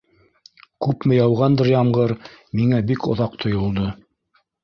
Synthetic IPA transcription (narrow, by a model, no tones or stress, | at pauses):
kʉpmɘjɑwʁɑnd̪ɤɾjɑmʁɤɾmiŋæbikŏ̰ðɑq̚t̪ʰŏjŏlˠd̪ɤ